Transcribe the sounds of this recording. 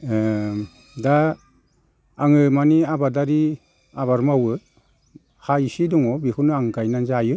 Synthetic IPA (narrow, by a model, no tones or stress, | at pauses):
da | ŋɯmaniabadaɾi | aβaɾmawɯ | haisidɔŋɔbihunaŋɡajnanzajɯ